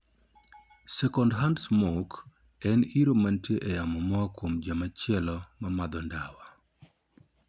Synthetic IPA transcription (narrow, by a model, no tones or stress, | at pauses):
sɛkɔndɦandsmok | ɛniɾomantjeʔɛjamɔmɔkwomd͡ʒamat͡ʃɪɛlɔmamad̪ɔndawa